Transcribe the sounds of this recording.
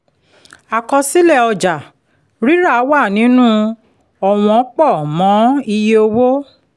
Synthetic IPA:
a˨kɔ˧si˦lɛ˦˨ɔ˧d͡ʒa˨ | ɾi˦ɾa˦˨˦wa˦˨nĩ˨˦nũ˦ | ɔ˨w̃ɔ̃˨˦k͡pɔ˦˨mɔ̃˨˦i˧je˧o˧wo˦

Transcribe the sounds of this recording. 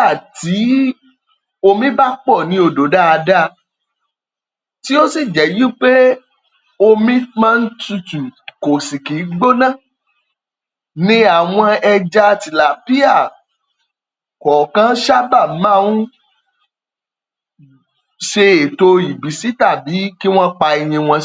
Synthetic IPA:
a˦˨ti˨˦ | o˧mĩ˦ba˦k͡pɔ˦˨nĩ˧˦o˧do˨˦da˦a˧da˦ | ti˦o˦si˦˨d͡ʒɛ˨jĩ˦k͡pe˦ | o˧mĩ˦mã˦n̩˦tu˧tũ˨ko˨si˨ki˨˦ɡ͡bo˦nã˦˨ | nĩ˧˦a˨w̃ɔ̃˧ɛ˧d͡ʒa˧ti˨la˨pi˦a˦˨ | kɔ˨kã˦ʃa˦ba˦˨mã˦˨˦wũ˦ | ʃe˧e˨to˧i˨bi˨˦si˨˦ta˦˨bi˨˦ki˦w̃ɔ̃˦k͡pa˧i˧j̃ĩ˧w̃ɔ̃˧

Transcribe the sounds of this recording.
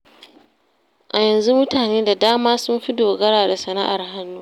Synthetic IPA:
ʔa˨jɐ˨nzu˦mʊ˦taː˨neː˦da˨daː˦maː˦sʊ˦mɸɪ˦doː˨ɡɐ˦ɽaː˨da˨sɐ˨na˦ʔa˨rɦa˦nːuː˦

